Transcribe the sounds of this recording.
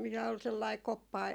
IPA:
mitæ ol selːɑi kopːɑ

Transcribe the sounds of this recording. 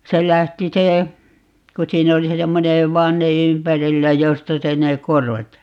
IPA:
se læhti se ku siːn oli se semːone ʋɑnːe ympærilːæ jostɑ se ne korʋɑt

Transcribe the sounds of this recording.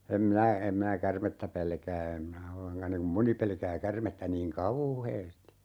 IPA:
em minæ em minæ kærmetːæ pelkæː em minæ olːeŋkɑ niŋ kum moni pelkæː kærmetːæ niːŋ kɑuˑheːsti

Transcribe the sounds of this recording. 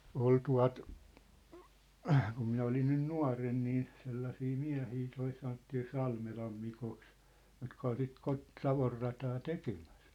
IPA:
ol tuɑ̝t kum minæ olin nyn nuɑ̝ren niː selːɑsiː miæ̝hiː toi sɑnotːiː sɑlmelɑm mikoks jotkɑ ol sit kot sɑʋorːɑtɑː tekemæ̥s

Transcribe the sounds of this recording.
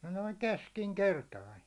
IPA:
noiŋ keskiŋkertɑin̞

